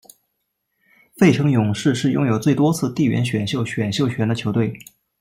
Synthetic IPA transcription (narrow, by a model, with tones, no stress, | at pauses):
fe˥˩ɪʈ͡ʂʰɤ˧˥ŋjʊ˨˩ŋʂɻ̩˥˧ʂɻ̩˥˧jʊ̰˥ŋjo˨˩ʊt͡swe˥˩ɪt̪wɔ˥t͡sʰɹ̩˥˧t̪i˥˩ɥɛ̰˧˥nɕɥɛ˨˩nɕjo˥˩ʊɕɥɛ˨˩nɕjo˥˩ʊɕɥɛ˧˥nd̪ə˧t͡ɕʰjo˧˥ʊt̪we˥˩ɪ